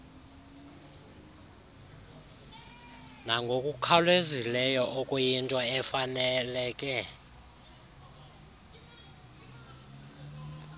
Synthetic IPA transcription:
naŋɡʱokʼukʰalwezilɛjɔʔɔkʼojintʼɔɛfanɛlɛːkʼɛ

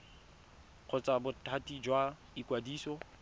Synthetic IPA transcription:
q͡χʰʊt͡sʼabʊtʰatʼid͡ʒwa | ikʼwadiːsɔ

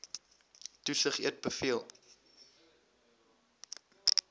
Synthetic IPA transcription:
tusəχiət̚bəfiəlˠ

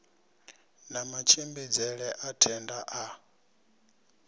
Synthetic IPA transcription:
namat͡ʃʰimbid͡zɛɺɛʔatʰɛndaʔa

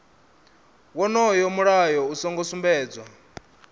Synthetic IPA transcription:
wɔnɔjɔmuɺajɔusɔŋɡɔsumbɛːd͡zwa

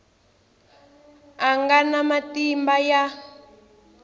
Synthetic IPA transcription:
aŋɡanamatimbaja

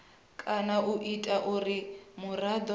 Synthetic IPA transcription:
kʼanaʔuʔitʼaʔuɾimurad̪ɔ

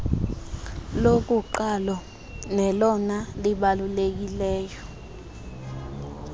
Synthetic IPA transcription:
lok̬uǃalɔ | nɛlɔnaliɓalulek̬ilɛːjɔ

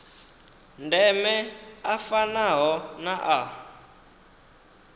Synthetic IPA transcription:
ndɛmɛafanaɦɔnaʔa

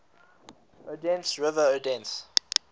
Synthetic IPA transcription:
odɛ̃nsɹɪvəodɛ̃ns

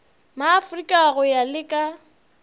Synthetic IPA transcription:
maːfrikʼaɣʊjalɪkʼa

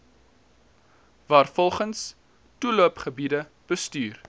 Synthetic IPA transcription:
vɑːrfɔlˠχəns | tuluəpχəbidə | b̥əstyːr

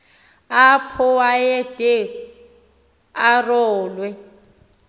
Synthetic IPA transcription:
apʰʊwajɛtʼe | arɔːlwɛ

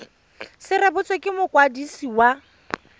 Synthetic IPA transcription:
sɪrabʊt͡sʼwekʼɪmʊkʼwadisiwa

